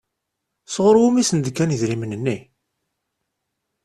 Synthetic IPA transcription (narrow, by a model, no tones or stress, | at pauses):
sʁɾwumisənd̪kːæniðɾimənənːi